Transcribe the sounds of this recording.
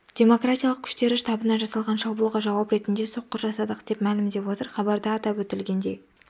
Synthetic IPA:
d̪̥ʲe̞mo̞krat̪ʲijɑlˠəq̚kʲʰʏ̥ʃt̪e̞ɾɪʃt̪ɑbənɑʒɑsɑlˠʁɑnʃɑbulˠʁɑʒɑwɑpɾe̞t̪ɪnd̪e̞so̞qːəɾʒɑsɑd̪əqd̪̥e̞pmælɪmd̪e̞pwo̞t̪əɾχɑbɑɾd̪ɑːt̪ɑpwɵt̪ɪlɡʲe̞nd̪e̞j

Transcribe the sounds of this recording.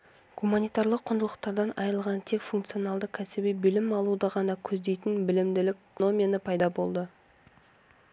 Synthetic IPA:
ɡ̥umanijt̪ɑɾlˠəqʰːʊnd̪əlˠəq̚t̪ɑɾd̪ɑnɑjɾəlˠʁɑnt̪ʰe̞kfuŋkt̪sijonɑlˠd̪əkʲʰæsɪbijbɪlɪmɑlˠud̪əʁɑnɑkʲʰɵzd̪e̞jt̪ɪnbɪlɪmd̪ɪlɪkno̞mʲinəpʰɑjd̪ɑbo̞lˠd̪ə

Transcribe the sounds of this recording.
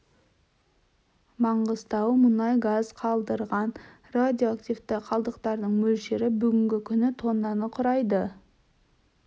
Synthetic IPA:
mɑɴʁəzt̪ɑwmʊnɑjɡazqʰɑlˠd̪əɾʁɑn | rad̪ʲio̞akt̪ijvt̪ɪqʰɑlˠd̪əqt̪ɑɾd̪əɴmɵlʃe̞ɾɪbʏɡʲɪŋɡʲɪkʲʰʏnɪt̪ʰo̞nːɑnəqʰʊɾɑjd̪ə

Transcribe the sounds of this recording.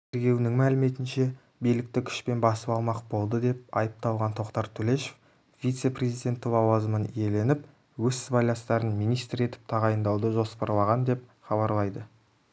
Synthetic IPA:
t̪ʰeɾɡʲe̞wnɪŋmælɪme̞t̪ɪnʃe̞ | bijlɪk̚t̪ɪkʲʰʏ̥ʃpe̞nbɑsəpɑlˠmɑqbo̞lˠd̪əd̪e̞p̚ɑjəp̚t̪ɑw̪ˠʁɑnt̪ʰo̞qt̪ɑɾt̪ʰɵle̞ʃef | vijt̪se̞prʲe̞zijd̪ʲe̞nt̪ːɪlˠɑwɑzəmənije̞le̞nɪp | wɵzɪzbɑjlˠɑst̪ɑɾənmijnijst̪ɾe̞t̪ɪ̥p̚t̪ʰɑʁɑjənd̪ɑwd̪əʒo̞spɑɾlˠɑʁɑnd̪e̞p̚χɑbɑɾlˠɑjd̪ə

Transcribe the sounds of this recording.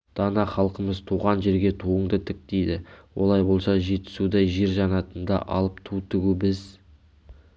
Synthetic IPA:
d̪̥ɑnɑχɑlˠqəməzt̪ʰuʁɑnʒe̞ɾɡʲe̞t̪ʰuəɴd̪ət̪ʰɪk̚d̪̥ejd̪ɪwo̞̰lˠɑjbo̞lˠsɑʒe̞t̪ɪ̥sud̪ɑjʒeɾʒɑnɑt̪ənd̪ɑ̰ʔɑ̰lˠəpt̪ʰut̪ʰʏɡʲubɪz

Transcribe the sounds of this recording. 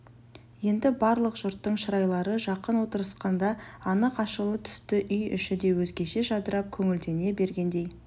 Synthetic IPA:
je̞nd̪ɪbɑɾlˠəqʒ̥ʊɾt̪ːəɴʃəɾɑjlˠɑɾəʒɑqənwo̞t̪əɾəsqɑnd̪ɑɑnəqɑʃəlˠət̪ʰʏ̥st̪ɪʔʏjʏʃɪd̪e̞wɵzɡʲe̞ʃe̞ʒɑd̪əɾɑp̚kʲʰɵŋɪld̪e̞ne̞be̞ɾɡʲe̞nd̪e̞j

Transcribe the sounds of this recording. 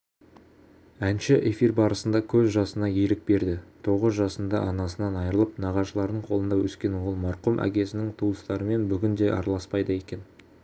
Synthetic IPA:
ænʃɪʔe̞firbɑɾəsənd̪ɑkʲʰɵzʒɑsənɑjeɾɪk̚be̞ɾd̪ɪt̪ʰo̞ʁəzʒɑsənd̪ɑ̰ʔɑnɑsənɑnɑjəɾəlˠəpnɑʁɑʃəlˠɑɾd̪əɴqʰo̞lˠənd̪ɑwɵskʲe̞nwolˠmɑɾqumʔæ̰kʲe̞sɪnɪŋt̪ʰuəst̪ɑɾəme̞nbʏɡʲɪnd̪e̞ʔɑ̰ɾɑlˠɑspɑjd̪əe̞kʲe̞n

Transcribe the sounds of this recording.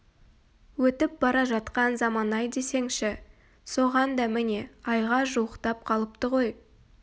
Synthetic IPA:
wɵt̪ɪp̚bɑɾɑʒɑt̪qɑnzɑmɑnɑjd̪e̞se̞ŋʃɪ | so̞ʁɑnd̪ɑmɪne̞ɑjʁɑʒuwəqt̪ɑp̚qʰɑlˠəp̚t̪əʁo̞j

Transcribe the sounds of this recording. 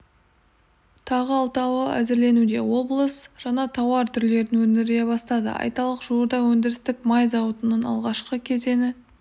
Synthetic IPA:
t̪ʰɑʁəɑlˠt̪ɑwəæ̰zɪɾle̞nud̪e̞wo̞blˠəsʒ̥ɑnɑt̪ʰɑwɑɾt̪ʰʏɾle̞ɾɪnwɵnɪɾɡʲe̞bɑst̪ɑd̪ə̰ɑ̰jt̪ɑlˠəqʒuəɾd̪ɑwɵnd̪ɪɾɪst̪ɪkmɑjzɑwət̪ənənɑ̰lˠʁɑʃqəkʲʰe̞ze̞nɪ

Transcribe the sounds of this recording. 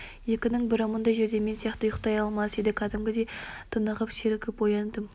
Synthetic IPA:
je̞kʲɪnɪŋbɪɾəmənd̪ɑjʒeɾd̪e̞me̞nsijɑqt̪əʊjəqt̪ɑjɑlˠmɑsd̪ed̪ɪkʰɑd̪ɪmɡʲɪd̪e̞jt̪ʰənəʁəpseɾɪkʲɪpwojɑnd̪əm

